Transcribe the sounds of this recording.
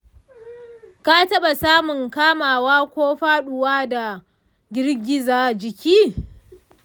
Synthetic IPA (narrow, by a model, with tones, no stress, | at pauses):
ka˦tɐ˦ɓa˨saː˦mʊ˨ŋkaː˦maː˨waː˦kʷoː˦ɸaː˦ɗʊ˨waː˦da˨ | ɡʲɪ˦rɡʲɪ˦zaː˨d͡ʒɪ˨kʲiː˦